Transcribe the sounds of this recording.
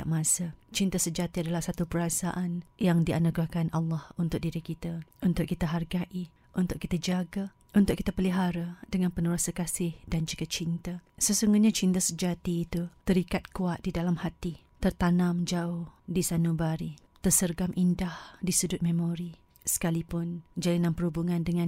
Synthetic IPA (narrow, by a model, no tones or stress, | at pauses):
aʔmãsat͡ʃint̪asəd͡ʒat̪iadalahsat̪upəɾasaʔanjaŋdia̰nuɡakanalːɑhunt̪ʊk̚diɾikit̪aunt̪ʊkːit̪aɦarɡaʔi | ʔunt̪ʊkːit̪ad͡ʒaɡa | unt̪ʊkːi̥t̪apəliɦaɾadəŋãnpənuɾasakasɪhdand͡ʒuɡat͡ʃint̪asəsuŋɡuɲat͡ʃint̪asəd͡ʒat̪iːt̪ut̪əɾikat̪̚kuat̪̚didalamhat̪i | t̪ərt̪anãmd͡ʒaʊhhdisanubaɾit̪ərsərɡamʔindahdisudʊt̪̚mẽmõɾi | sə̥kalipʊnd͡ʒalinãnpəɾhubuŋãndəŋãn